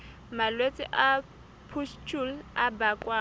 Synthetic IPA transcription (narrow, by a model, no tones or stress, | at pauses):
malwet͡sʼɪ̰ʔa | pʰust͡ʃʼul̩abakʼwa